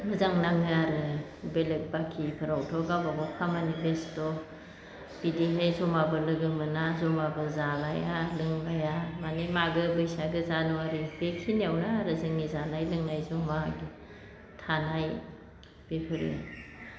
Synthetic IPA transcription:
mɯzaŋnaŋɯaɾɯbelek̚bakʰipʰɯɾawtʰɔɡabamɔkʰamanipʰestɔ | b̥idiɦajzɔmabɯlɯɡɯmɯnazɔmabɯzalajalɯŋlajamanemaɡɯbɯjsaɡɯzanɔaɾibekʰiniawnaaɾɯzɯŋnizanajlɯŋnajzɔmaɡi | tʰanaj | b̥epʰɯɾḭ

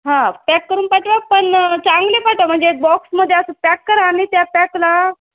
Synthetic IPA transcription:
ɦãpɛkːəɾuːnpaʈʋapəɳt͡saŋɡlepaʈʋam̤əɳd͡zebɔksməd̪ʱːjeəsəpɛkːəɾanit̪japɛkla

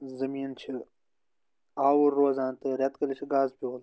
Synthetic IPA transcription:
zɐmiːnt͡ʃʰi | aːwuɾːoːzãːnt̪ɨɾɐt̪kɐlit͡ʃʰiɡaːzpʲoːl

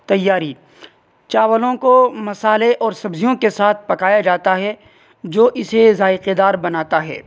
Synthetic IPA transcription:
t̪ɐjːaːɾi | t͡ʃaːʋəlõkomɐsaːleʔɔːɾsɐbzijõkesaːt̪̚ʰpɐkaːjad͡ʒaːt̪aɦɛ | d͡ʒoːʔɪsezaːɪqed̪aːɾbɐnaːt̪aɦɛ̰ː

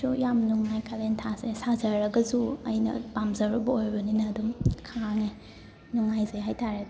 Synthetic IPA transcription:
sujamnuŋːajkʰalentʰasesazɐɾɐɡɐzuɐjnɐ̰bamzɐɾubɐojbɐninɐːdumkʰaŋe | nuŋajzejɦajtʰaɾed

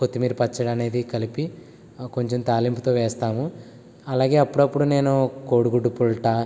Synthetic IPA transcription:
ko̞t̪ːimiːɾupɐt͡ʃːɐɽɐne̞ːd̪ikɐlipi | ko̞ɲt͡ʃemt̪aːlimput̪oːʋɛːst̪aːmu | ɐlaːɡe̞ːɐpːuɽɐpːuɽune̞ːnuko̞ːɽuɡuɖupuɭʈa

